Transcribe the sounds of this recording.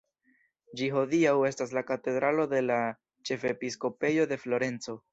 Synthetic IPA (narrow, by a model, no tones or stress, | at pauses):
d͡ʒiɦo̞diawe̞stas̬lakate̞d̪ɾalo̞de̞la | t͡ʃe̞fepisko̞pe̞jo̞de̞flo̞ɾe̞nt͡so̞